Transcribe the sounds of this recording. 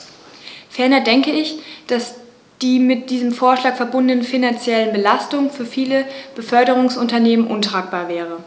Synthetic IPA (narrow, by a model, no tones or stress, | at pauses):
fɛɐnɐdɛŋkəɪçd̥as | d̥iːmɪt̚d̥iːzəmfoːɐʃlaːkfɛɐbʊndnənfinant͡sjɛlənbəlastʊŋfyːɐfiːləb̥əfœɐɾəʁ̞ʊŋsʔʊntɐneːmənʔʊntʁ̥aːk̚b̥aːɐvɛːʁ̞ə